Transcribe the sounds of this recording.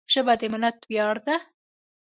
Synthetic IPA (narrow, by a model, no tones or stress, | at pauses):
ʂəbad̪emɪlat̪bjɑɽd̪a